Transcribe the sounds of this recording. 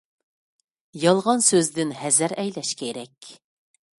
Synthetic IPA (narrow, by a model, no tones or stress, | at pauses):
jɑlˠʁɑnsøzd̪ɪnhɛzæɾɛjlɛʃkʲʰeɾɛkʲ